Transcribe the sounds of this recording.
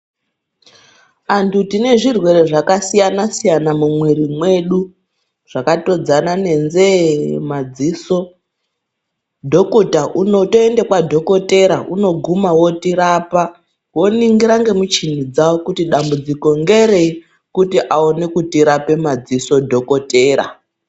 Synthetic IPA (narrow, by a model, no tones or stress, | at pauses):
antʰutine̞ʐirwe̞ɾe̞ʐakasijanasijanamumweɾimwe̞ɗu | ʐ̥akato̞d͡zanane̞nzemad͡ziːso̞ | dʱo̞kutaʔunotoendekwadʱo̞ko̞te̞ɾaʔuno̞ɡʱumawo̞tiɾapa | wo̞niŋɡiɾaŋɡe̞mut͡ʃinid͡zawokutiɗambud͡ziko̞ŋɡe̞ɾe̞ | kutiʔao̞ne̞kutiɾape̞mad͡ziso̞dʱo̞ko̞te̞ːɾa̰